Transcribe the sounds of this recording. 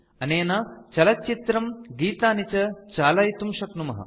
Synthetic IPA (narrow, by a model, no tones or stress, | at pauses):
ɐneːnaːt͡ʃɐlɐt͡ʃit̪ɾɐmɡiːt̪aːnit͡ɕɐt͡ʃaːlɐjt̪umʃɐknumɐɦɐ̰